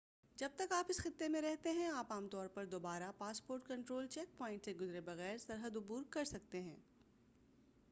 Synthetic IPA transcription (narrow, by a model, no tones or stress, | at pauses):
d͡ʒɐb̚t̪ɐkaːpɪsxɪt̪ːemẽɾɛɦt̪eɦɛ̃aːpaːmt̪ɔːɾpɐɾd̪oːbaːɾapaːspoːɾʈ̚kɐ̃ɳʈɾoːlt͡ʃɛːk̚pɔ̃ːɪ̃ɳʈseɡʊzɾebɐɣɛːɾsɐɾɦəd̪ʊbuːɾkɐɾsɐk̚t̪eɦɛ̰̃ː